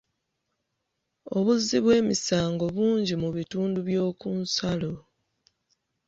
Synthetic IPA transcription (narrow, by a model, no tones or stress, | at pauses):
o̞βuzːiβwe̞ːmisaːŋɡo̞βuːɲɟimuβituːnduβjo̞ːkunsalo̞